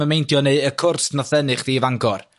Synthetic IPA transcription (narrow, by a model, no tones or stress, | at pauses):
əmejntʰjɔneəkʰʊrsnɔθɛnɨχðiːvaŋɡɔr